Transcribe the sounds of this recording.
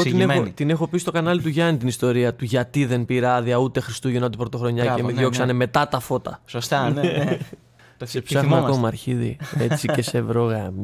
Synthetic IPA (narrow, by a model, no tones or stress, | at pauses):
ot̪ineot̪ine̞xo̞pisist̪o̞kɐnɐlit̪uʝɐnit̪inist̪o̞ɾiɐt̪uʝɐt̪iðe̞npiɾɐðiɐut̪e̞xɾist̪uʝenot̪ipɾo̞t̪o̞xɾo̞ɲɐcemmeðʝo̞ksɐneme̞t̪ɐt̪ɐfo̞t̪ɐsost̪ɐn | sepssɐxmɐkomɐɾçiðḭe̞t͡sice̞se̞vɾo̞ɣɐ